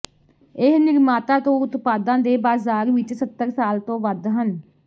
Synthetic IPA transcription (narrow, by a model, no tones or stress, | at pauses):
ɪɦnɪɾmaːt̪ãːt̪õːʊt̪paːd̪ãːd̪eːbaːzaːɾʋɪt͡ʃsət̪ːəɾsaːlt̪õːʋəd̪ɦən